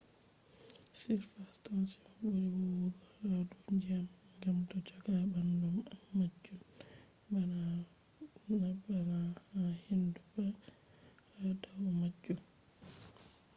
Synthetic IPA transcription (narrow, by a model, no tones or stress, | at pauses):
siɾfastansiaboɾiwɔwɔɡɔhaduɲd͡ʒiam | ŋɡamtɔt͡ʃɔɡabandumːad͡ʒːum | bana | nabːanaahindubɛ | adawɔmad͡ʒːum